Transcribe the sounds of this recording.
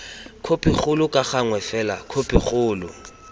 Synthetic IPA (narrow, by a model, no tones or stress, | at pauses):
kʰopʼɪχʊlʊkʼaχaŋwɛfɛla̰kʰopʼɪχʊːlʊ̰